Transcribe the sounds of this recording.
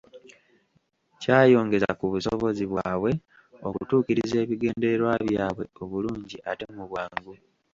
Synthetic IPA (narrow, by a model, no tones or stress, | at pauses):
caːjo̞ːŋɡe̞za̰kuβusoβo̞ziβwaːβwe̞ | okutuːkiɾize̞ːβiɡe̞ːndeeɾwaβjaːβwe̞o̞βuluːɲɟiʔate̞muβwaːŋɡu